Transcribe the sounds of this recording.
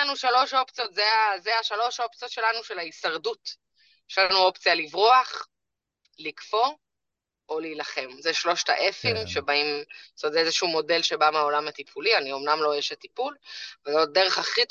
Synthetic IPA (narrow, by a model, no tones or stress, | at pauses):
anuʃalo̞ʃo̞pt͡sijo̞tzeazeaʃalo̞ʃo̞p̚t͡sijotʃe̞lanuʃe̞laisaʁdut | jjeʃlanuo̞pt͡sijalivʁoaχ | likfo̞ | ʔoliːlaχe̞mzeʃlo̞ʃta̰ʔe̞fimʃe̞baimsot̪zezeʃumo̞de̞lʃe̞bameo̞lamat̪ipʰulianio̞mnamlo̞jeʃetipulvezodeʁeχaχit